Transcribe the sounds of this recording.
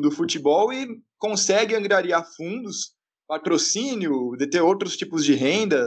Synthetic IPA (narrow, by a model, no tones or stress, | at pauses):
d̪ʊfut͡ʃibɔwɪkõsɛɡɪɐ̃ɡɾiaɾiaɾfũnd̪ʊs | pat̪ɾosĩnjʊd̪et̪eɾowt̪ɾʊst͡ʃipʊzd͡ʒɪɦẽnd̪ɐ